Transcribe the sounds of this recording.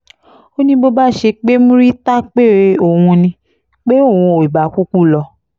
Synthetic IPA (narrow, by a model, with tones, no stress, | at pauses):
o˦nĩ˧bo˧ba˦˨ʃe˧k͡pe˦mũ˦ɾi˦ta˦k͡pe˦˨ɾe˧o˦˨wũ˧nĩ˧ | k͡pe˦o˦˨ũ˧o˨i˨ba˨˦ku˦ku˦˨lɔ˧